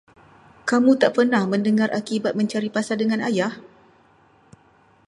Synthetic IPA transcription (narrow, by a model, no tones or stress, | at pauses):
kamũt̪aʔpərnahmə̃ndəŋarʔakibat̪̚mə̃ɲt͡ʃaɾipasadəŋãnajah